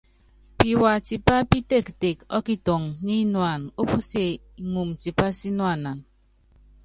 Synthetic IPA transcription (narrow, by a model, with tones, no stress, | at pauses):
pi˨wa˨ti˨pa˦pi˦te˦˨kte˨kɔ˦ki˦to˨ŋɲi˦nwa˨no˦pu˦se˨ | i˨ŋu˨mti˨pa˦si˦nwa˨na˨n